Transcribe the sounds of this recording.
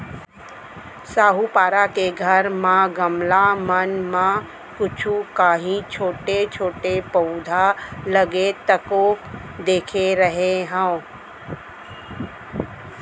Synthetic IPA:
saːɦupaːɾakeɡʱəɾmãɡəmlamənmã | kʊt͡ʃʰukaːɦĩt͡ʃʰoːʈet͡ʃʰoːʈepəʊd̪ʱaləɡet̪əkoːk | d̪eːkʰeɾəɦeɦə̃

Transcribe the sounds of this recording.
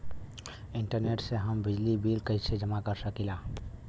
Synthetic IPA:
ɪ̃ɳʈəɾneːʈseɦəmbɪd͡ʒlibiːlkəɦised͡ʒəmakəɾsəkilaː

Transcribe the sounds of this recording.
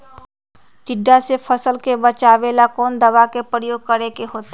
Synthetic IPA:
ʈɪɖːasefʰəsəlkebət͡ʃaːʋeːlakɔːnd̪əʋakepɾəjoːɡ̚kəɾekeɦoːt̪e

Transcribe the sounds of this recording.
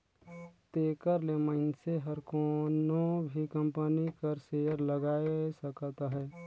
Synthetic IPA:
t̪eːkəɾleməɪnseɦəɾkonobʱikə̃mpənikəɾseːəɾləɡaːesəkt̪aɦɛː

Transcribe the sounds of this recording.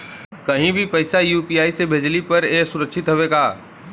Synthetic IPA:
kɐɦĩbʱipɐɪsajuːpiːaːisebʱeːd͡ʒlipɐɾeːsʊɾəkʃʰɪt̪ɦoʋeɡaː

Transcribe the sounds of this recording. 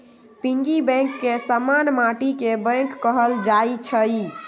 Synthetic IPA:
pĩŋɡibɛ̃kːesamanmaʈikebə̃ŋkːəɦəld͡ʒait͡ʃʰəi

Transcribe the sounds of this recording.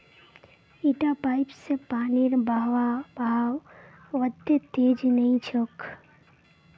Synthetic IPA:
iʈapaɪpsepaːniɾbʱaʋabʱaw | ʋəd̪jet̪ed͡ʒnəĩt͡ʃʰok

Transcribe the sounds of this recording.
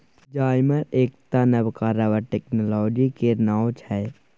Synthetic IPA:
d͡ʒaːɪməɾeːk̚t̪anəbkaɾəʋəʈeːknolɔːd͡ʒikenaːwt͡ʃʰɛː

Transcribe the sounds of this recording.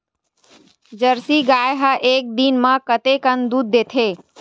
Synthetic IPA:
d͡ʒəɾsiɡaːjɦaʔeːk̚d̪iːnmãkət̪ekənd̪uːd̪ːeːt̪ʰeː

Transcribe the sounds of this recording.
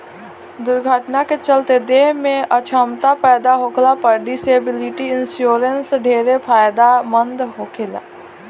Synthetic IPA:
d̪ʊɾɡʱəʈnaket͡ʃəlt̪ed̪eːɦmẽət͡ʃʰəmt̪apɛːd̪aɦoːkʰlapəɾɖiseːbɪlɪʈiɪnsjoːɾənsɖʱeːɾepʰaːjd̪amə̃nd̪ɦoːkʰela̰ː

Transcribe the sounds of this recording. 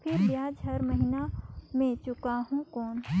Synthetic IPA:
pʰɪɾbjaːd͡ʒɦɐɾməɦinamẽt͡ʃʊkaɦũkɔːn

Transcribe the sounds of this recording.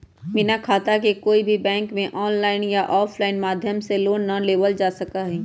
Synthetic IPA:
mɪnakʰaːt̪akekoːibʱibɛ̃ːŋkmẽʔɔːnlaːɪnjaʔɔːpʰlaːɪnmaːd̪ʱjəmseloːnːɐleːʋəld͡ʒaːsɐkaɦɛː

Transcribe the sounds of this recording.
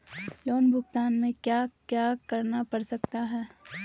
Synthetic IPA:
loːmbʱʊɡt̪aːnmẽkjakjaːkɐɾnapɐɾsɐkt̪aɦɛː

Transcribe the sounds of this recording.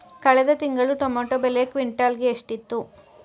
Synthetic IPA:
kɐɭɛd̪ɐt̪iŋɡɐɭuʈomaːʈobeleekʋiɳʈaːlɡeːʂʈit̪ːu

